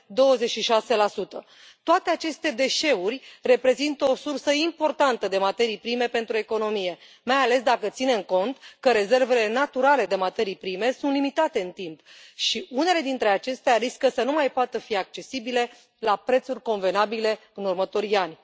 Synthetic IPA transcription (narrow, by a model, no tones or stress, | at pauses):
d̪o̞wəzet͡ʃʃiʃase̞lasut̪ə | t̪oat̪e̞at͡ʃe̞st̪e̞d̪e̞ʃe̞urʲre̞pɾe̞zint̪əo̞sursəimpo̞rt̪ant̪əd̪e̞mat̪e̞ɾijpɾime̞pe̞nt̪ɾue̞ko̞no̞mije̞ | majale̞sd̪akət̪sine̞mko̞nt̪kəɾe̞ze̞rve̞le̞nat̪uɾale̞d̪e̞mat̪e̞ɾijpɾime̞sunt̪limit̪at̪e̞ɨnt̪impʃiʔune̞le̞d̪int̪ɾe̞at͡ʃe̞st̪eaɾiskəsənumajpoat̪əfiak̚t͡ʃe̞sibile̞ | lapɾe̞t̪surʲko̞nve̞nabile̞ɨnurmət̪o̞ɾanʲ